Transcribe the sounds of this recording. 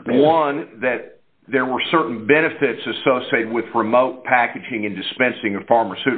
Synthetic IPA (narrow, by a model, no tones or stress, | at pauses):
wʌ̃nðɨt̪̚ | ðə˞wə˞sɜ˞ʔn̩bɛñɨfɪtsɨsoʊsieɪt̚wɪðɹɨmoʊt̚pʰækɨd͡ʒɪ̃ŋɨ̃ndɨspɛ̃nsɪ̃ŋʌ̥fɑɹmə˞sʉɾ